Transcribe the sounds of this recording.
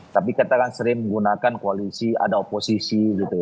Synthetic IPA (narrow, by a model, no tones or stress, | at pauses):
t̪apikat̪akansəɾɪŋməŋɡunakankoalisia̰daoposisiɡit̪uja